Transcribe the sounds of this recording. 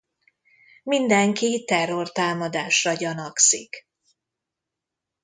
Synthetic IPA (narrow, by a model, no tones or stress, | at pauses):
mind̪ɛŋkit̪ɛrːo̞rt̪aːmɒd̪aːʃrɒɟɒnɒksik